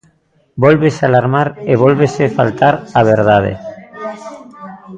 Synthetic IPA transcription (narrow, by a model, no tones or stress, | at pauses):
bolβesealaɾmaɾeβ̞olβesefalt̪aɾaβ̞eɾðað̞ḛ